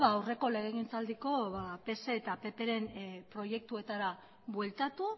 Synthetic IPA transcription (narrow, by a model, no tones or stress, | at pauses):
βaːwre̞ko̞le̞ɣ̞eɣint͡sald̪iko̞βape̞se̞ːt̪ape̞pe̞ɾe̞mpɾo̞je̞k̚t̪ue̞t̪aɾa | βwe̞lt̪at̪u